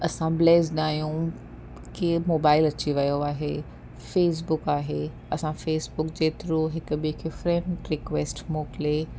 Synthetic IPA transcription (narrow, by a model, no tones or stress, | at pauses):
ɐsãbleːzɗaːjũ | kimoːbaːɪlɐt͡ɕiʋɐjoaːɦeː | feːs̬bʊkaːɦeː | ɐsãfeːsbʊkd͡ʑeːt̪ɪɾoɦɪkʊ̆bikʰefɾẽɳʈɾɪkʋeːsʈmoːkle